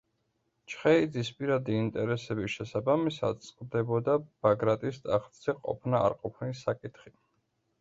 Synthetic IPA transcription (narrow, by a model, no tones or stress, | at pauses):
t͡ʃʰχɛid̪zispʼiɾad̪iːnt̪ʼɛɾɛsɛbiʃɛsabamisa̰d̪̚t̪sʼqʼvd̪ɛbɔd̪ab̥aɡɾat̪ʼist̪ʼaχt̪sɛqʼɔ̰pʰnaa̰ɾqʼɔpʰnisakʼit̪ʰχi